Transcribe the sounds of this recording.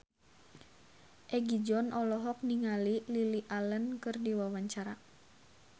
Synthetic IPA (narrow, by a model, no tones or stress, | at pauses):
ʔɛɡid͡ʒɔnʔɔlɔɦɔk̚niŋalililiʔalənkɨrdiwawaɲt͡ʃaɾa